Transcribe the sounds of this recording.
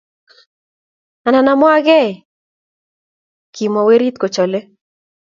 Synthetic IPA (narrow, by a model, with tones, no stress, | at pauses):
a˨na˨na˨˦mwa˦ɡɛ˦˨ | kʰi˨mɔ˨we˦ɾi˦t̪̚ko˨t͡ʃɔ˨le˦